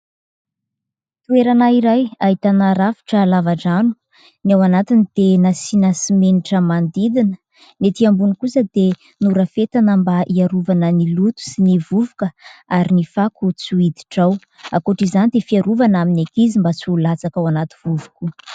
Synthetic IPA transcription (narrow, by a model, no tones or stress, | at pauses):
t̪ueɾanaiɾajait̪anaɾafi̥ʈ͡ʂəlavaʈ͡ʂanu̥ | nawanat̪inid̪̥enasinasimeniʈ͡ʂəmand̪id̪inə̥ | net̪iambunikusəd̪e | nuɾəfet̪anəmbaʔiaɾuvanənilut̪u̥sinivuvukəaɾinifakut͡suid̪i̥ʈ͡ʂaw | akoʈ͡ʂizanid̪efiaɾuvanaminekizimbat͡sulat͡sakawanat̪i̥v̥uvu̥ku